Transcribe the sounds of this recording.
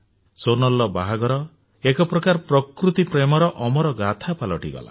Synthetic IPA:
sonɔlːɔbaɦaɡɔɾɔ | ekɔpɾɔkaɾpɾɔkɾut̪ipɾemɔɾɔʔɔmɔɾɔɡat̪ʰapalɔʈiɡɔ̰la̰

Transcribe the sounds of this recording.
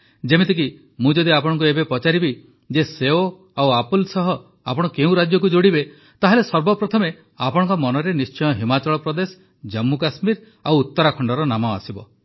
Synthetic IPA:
d͡ʒemet̪ik̬i | mũd͡ʒɔd̪iapɔɽ̃ɔŋk̬uebepɔt͡ʃaɾibi | d͡ʒeseo | awapulsɔɦɔ | a̰pɔɽ̃ɔkeũɾad͡ʒjɔk̬ud͡ʒoɽibe | t̪aɦelesɔɾbɔpɾɔt̪ʰɔme | apɔɽ̃ɔ̃ŋkɔmɔnɔɾenist͡ʃɔjɔɦimat͡ʃɔɭɔpɾɔd̪esɔ̥ | d͡ʒɔmːukasmiɾ | awut̪ːɔɾakʰɔɳɖɔɾɔnamɔa̰sibɔ

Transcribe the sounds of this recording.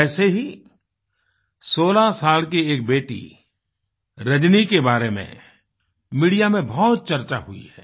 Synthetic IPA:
ɛːseɦi | soːlasaːlk̬ieːk̚beːʈḭ | ɾɐd͡ʒnikebaːɾemḛ̃ | miːɽijamẽbɔːt̪̚t͡ʃɐɾt͡ʃa̰ɦʊḭɦɛ̰ː

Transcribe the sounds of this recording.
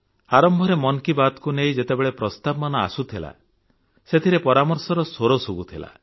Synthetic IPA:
aɾɔmbʱɔɾemɔnkibat̪kunejd͡ʒet̪ebeɭepɾɔst̪abɔmanɔa̰sut̪ʰila̰ | set̪ʰiɾepɔɾamɔɾsɔɾɔsoɾosubut̪ʰila̰

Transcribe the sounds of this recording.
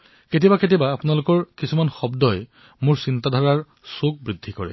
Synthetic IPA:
ket̬ibaket̬ibaːpʊnalʊkɔɹkisumanxɔbdɔj | mʊɹsintadʱɔɹaɹ | suɡ̚bɹidʱːikɔɹɛ̰

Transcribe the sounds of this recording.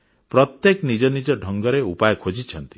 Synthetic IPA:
pɾɔt̪jeknid͡ʒɔnid͡ʒɔɖʱɔŋɡɔɾeupajɔkʰod͡ʒit͡ʃʰʌnt̪i̥

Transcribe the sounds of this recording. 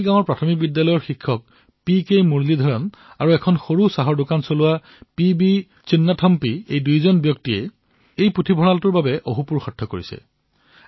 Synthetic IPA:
ɡãw̃ɔɹpɹatʰɔmik̚bidːalɔjɔɹxikʰːɔk̚ | pikejmuɹlidʱɔɹɔn | aɹuɛkʰɔnxoɹusaɦɔɹdʊkansolʊa | pibi | sinːatʰɔmpiejdujzɔnbjɔktiɛ̰ | ejputʰibʱɔnaltʊɹbabɛʔoɦupuɹxɔtʰːɔkoɹisɛ̰

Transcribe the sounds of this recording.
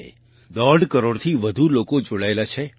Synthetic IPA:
d̪ɔɖkəɾoɽt̪ʰiʋəd̪ʱulokod͡ʒoɭaelat͡ʃʰe

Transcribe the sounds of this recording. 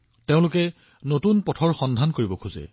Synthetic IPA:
teʊ̃lʊkɛ | notunpɔtʰɔɹxɔndʱankoɹibɔkʰuzɛ̰

